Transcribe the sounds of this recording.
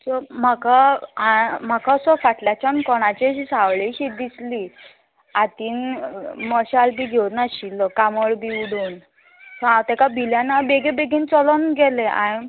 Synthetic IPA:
sɔm̤akaam̤akasɔfaʈljat͡ɕankɔɽ̃at͡ɕeɕisawɭeɕid̪isli | at̪iːnmɔɕalbiːɡʱewt̪naɕilɔkaməɭbiuɽuːn | sɔ̃awt̪ɛkabʱiljanabeɡebeɡint͡sɔlɔnɡɛleʔa̰

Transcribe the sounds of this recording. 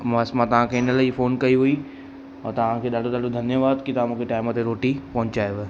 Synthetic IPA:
mãsmãt̪ɐʋ̤ãkʰeɪnə̆laːifoːnkɐiɦui | ɔ̰ːt̪ɐʋ̤ãkʰeːɗaːɖʱoɗaːɖod̪ʱɐnjəʋaːd̪kʰit̪ɐãmũːkʰeʈaːɪmət̪eɾoːʈipɐɦʊ̃ɲt͡ɕaːjʋɪ

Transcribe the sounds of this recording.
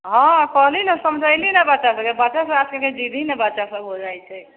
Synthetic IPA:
ɦãkɔɦlinəsəmd͡ʒʱəjlinɛbatːʃasəebaːt͡ʃasəbaskeked͡ʒid̪ʱinɛbatːʃasəbɦod͡ʒajt͡ʃʰɛ

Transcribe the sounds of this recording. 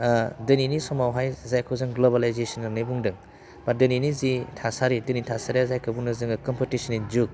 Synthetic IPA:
dɯninisɔmawɦajzajkʰɯwzɯŋɡlobalajzesɔnanɯbuŋdɯŋ | badɯninizitʰasaɾidɯnitʰasaɾiazajkʰɯbuŋnɯzɯŋɯkɔmpitisɔnid͡ʒuk̚

